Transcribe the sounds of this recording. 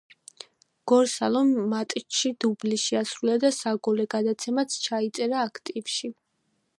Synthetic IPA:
ɡ̥ɔɾsalˠɔmːat̪ʼʃid̪̥ubliʃiasɾulad̪asaɡɔlɛɡad̪at̪sʰɛmat̪sʰt͡ʃʰait̪sʼɛɾaːkʰt̪ʼivʃi

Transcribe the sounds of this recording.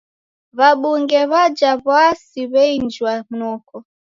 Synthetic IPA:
βaɓuŋɡɛβad͡ʒaβasiβɛind͡ʒwam̩nɔkɔ

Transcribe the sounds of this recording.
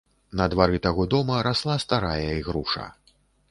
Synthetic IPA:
nɐd̪vaɾɨt̪aɣɔd̪ɔmɐɾaslˠast̪aɾajɐiɣɾuʂɐ̰

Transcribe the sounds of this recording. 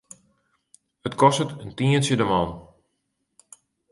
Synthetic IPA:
ətkɔstətəntiənsjədəmɔn

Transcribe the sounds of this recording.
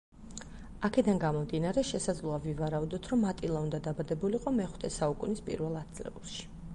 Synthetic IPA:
akʰɛd̪anɡamɔmd̪inaɾɛʃɛsad̪zlˠuavivaɾaud̪ɔt̪ʰɾɔmːat̪ʼilˠaund̪ad̪abad̪ɛbuliqʼɔmɛχw̥t̪ʰɛsaukʼunispʼḭɾvɛlˠat̪̚d̪zʼlɛ̰ulˠʃi̥

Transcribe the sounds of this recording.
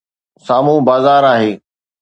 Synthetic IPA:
saːmũbaːzaːɾaːɦeː

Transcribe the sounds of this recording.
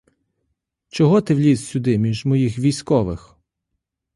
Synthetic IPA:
t͡ʃɔɦɔt̪ɪʋlʲizsʲʊd̪ɪmʲiʒmɔjixʋʲijsʲkɔʋɪx

